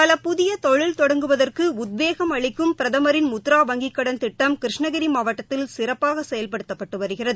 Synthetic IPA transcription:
pɐlɐpʊðɪjɐt̪ɔɻɪlt̪ɔɽɐŋɡɯʋɐðɐrkɯʊd̪̚ʋeːɣɐmɐɭɪkːɯmpɪɾɐðɐmɐɾɪnmʊt̪ːɾaːʋɐŋɡɪkːɐɽɐnt̪ɪʈːɐmkɾɪʂɳɐɣɐɾimaːʋɐʈːɐt̪ːɪlsɪɾɐpːaːɣɐsɛjɐlpɐɽɯt̪ːɐpːɐʈːɯʋɐɾɯɣɪrɐðɯ

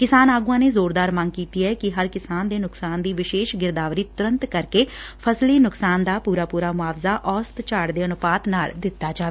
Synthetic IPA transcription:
kɪsaːnaːɡuːãːneːzoːɾd̪aːɾmə̃ŋɡkiːt̪iːɛːkɪɦəɾkɪsaːnd̪eːnʊksaːnd̪iːʋɪʃeːʃɡɪɾd̪aːʋɾiːt̪ʊɾə̃nt̪kəɾkeːpʰəsliːnʊksaːnd̪aːpuːɾaːpuːɾaːmʊaːʋzaːʔɔːst̪t͡ʃaːɽd̪eːənʊpaːt̪naːld̪ɪt̪ːaːd͡ʒaː

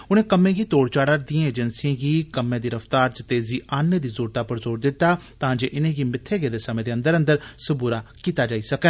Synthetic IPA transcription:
ʊnẽːkəmẽːɡiːt̪oːɽt͡ʃaːɽad̪ijãːeːd͡ʒənsiːãːɡiːkəmẽːd̪iːɾəft̪aːɾt͡ʃt̪eːziːʔanːəd̪iːzoːɾt̪aːpəɾzoːɾd̪ɪt̪ːaːt̪ãːd͡ʒeːʔɪnẽːɡiːmɪt̪ʰːeːɡeːd̪eːsəmẽːd̪eːə̃nd̪əɾə̃nd̪əɾsəbuːɾaːkiːt̪aːd͡ʒaːiːsəkɛ̃ː

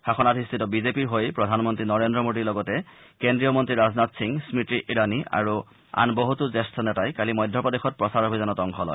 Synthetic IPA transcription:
xaxɔnatʰist̪ʰitɔbizepiɹɦojpɹɔdʱanmɔntɹinɔɹendɾɔmoɖiɹlɔɡɔtɛ | kendɹiɔmɔntɹiɹaznatsiŋsmitɹiʔiɹania̰ɹu | a̰nboɦutuzestʰɔnɛtajkalimɔjd̪ʱːɔpɔdexɔt̚pɹɔsaɹobʱizanɔtɔŋkʰɔlɔ̰j

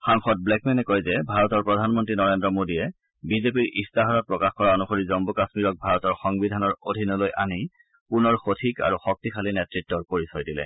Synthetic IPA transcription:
xaŋxɔt̚blɛkmɛnɛkojzɛbʱaɹɔtɔɹpɹɔdʱanmɔntɹinɔɹendɹɔmodiɛ | bizep̬iɹʔḭstaɦɔɾɔt̚pɹɔkaxkɔɹaonuxoɹizɔmbukasmiɹɔk̚bʱaɹɔtɔɹxɔŋbidʱanɔɹodʱinɔlojʔani | punɔɹxotʰika̰ɹuxɔk̚tikʰalinetɹitːɔɹpoɹisɔjdilɛ̰

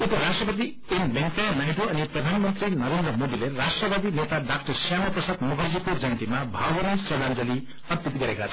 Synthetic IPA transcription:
upʌɾasʈrʌpʌt̪̬i | enmentenajʈʰoʌniprʌd̪ʱanmʌnt̪ɾinʌɾend̪ɾʌmod̪ilerasʈrʌbad̪inet̪aɖak̚ʈʌrsjamʌprʌsad̪mukʰad͡zikod͡zʌnt̪imabʱawbʌnisʌd̪and͡zʌli | ʌt̪it̪ɡʌɾekat͡sʰʌ

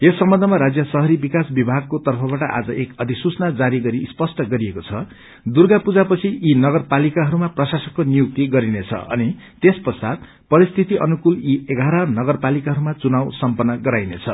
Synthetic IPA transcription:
esːʌmbʌnd̪ʱʌmaɾad͡zjʌsʌɦʌɾibikasbibʱaɡ̚kot̪ʌrpʰʌbaʈʌʔa̰d͡zʌʔekʌd̪ʱisut͡snad͡zaɾiɡʌɾispʌsʈʌɡʌɾiekot͡sʰʌ | d̪urɡapud͡zapʌt͡sʰiinʌɡʌrpalikaɦʌɾumaprʌsasʌkkonijuk̚t̪iɡʌɾinet͡sʰʌ̰ʌ̰ni | t̪espʌsad̪̚ | pʌɾist̪ʰit̪iʔʌ̰nukulieɡʱaɾʌnʌɡʌrpalikaɦʌɾumat͡sunawsʌmpʌnːʌɡʌɾajnet͡sʰʌ̰

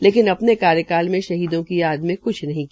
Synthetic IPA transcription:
leːkɪnɐpnekaːɾjəkaːlmẽʃɐɦiːd̪õkijaːd̪mẽkʊt͡ʃʰnɐɦĩ

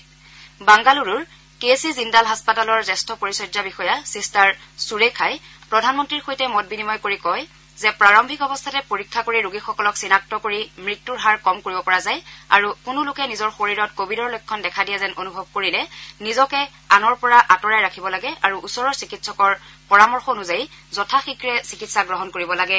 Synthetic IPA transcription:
baŋɡaluɹuɹ | kesizindalɦaspatalɔɹzɛstʰɔpoɹisɔjzabixɔjasistaɹsuɹekʰajpɹɔdʱanmɔntɹiɹxojtɛmɔt̚binimɔjkoɹikɔj | zɛpɹaɹɔmbʱikɔbɔstʰatɛpoɹikʰːakoɹiɹuɡixɔkɔlɔksinak̚tɔkoɹimɹitːuɹɦaɹkɔmkoɹibɔpɔɹazaja̰ɹukʊnʊlʊkɛnizɔɹxoɹiɹɔtkobʱidɔɹlojkʰːɔndɛkʰadijazɛnonubʱɔb̚koɹilɛnizɔkɛ | anɔɹpɔɹaʔatɔɹajɹakʰibɔlaɡɛʔaɹuʔusɔɹɔɹsikitsɔkɔɹpɔɹamɔɹxɔnuzajzɔtʰaxikɹɛsikitsaɡɹɔɦɔnkoɹibɔlaɡɛ

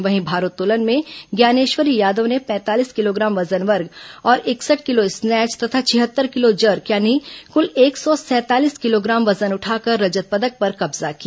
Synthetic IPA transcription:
ʋɐɦĩbʱaːɾut̪ːuːlənmẽɡjaːneːʃʋəɾijaːd̪õnepɛ̃ːt̪aːliːskɪloːɡɾaːmʋɐzənʋəɾɡɔːɾʔɪksəʈ̚ʰkɪloɪsnɛːt͡ʃt̪ɐt̪ʰat͡ʃʰɪɦət̪ːəɾkɪlod͡ʒəɾkjaːnikʊleːksɔsɛ̃ːt̪aːliːskɪloɡɾaːmʋɐzənʊʈʰaːkəɾːɐd͡ʒət̪̚pəd̪ək̚pɐɾkɐbzaki

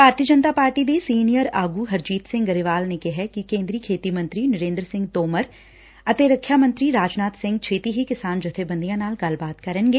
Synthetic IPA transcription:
bʱaːɾt̪ijəd͡ʒənt̪aːpaːɾʈid̪esiːnijəɾaːɡuɦɐɾd͡ʒiːt̪sɪ̃ŋɡɡəɾɪʋaːlnekɛɦɛkikẽːnd̪ɾiːkʰeːt̪imə̃nt̪ɾinɐɾẽːnd̪ɾəsɪ̃ŋɡ̚t̪oːməɾ | ɐt̪eɾəkʰːjaːmə̃nt̪ɾiɾaːd͡ʒnaːt̪sɪ̃ŋɡt͡ʃʰeːt̪iɦikɪsaːnd͡ʒʊt̪ʰebə̃nd̪ijãnaːlkalbaːt̪kɐɾənɡeː

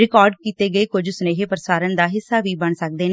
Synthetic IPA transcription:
ɾɪkɔːɾɖkiːt̪eːɡəeːkʊd͡ʒsʊneːɦeːpəɾəsaːɾənd̪aːɦɪsːaːʋiːbəɳsək̚d̪eːne

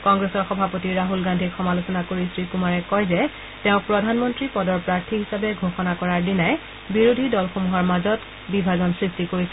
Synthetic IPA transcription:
kɔŋɡɹesɔɹxɔbʱapotiɹaɦulɡandʱixɔmalusɔnakoɹisɹikumaɹɛkɔjzɛ | tɛʊ̃pɹɔdʱanmɔntɹipɔdɔɹpɹaɹtʰiɦisabɛɡʱoxɔnakɔɹaɹdinaj | biɹudʱidɔlxomuɦɔɹmazɔt | bibʱazɔnsɹistikoɹisɛ

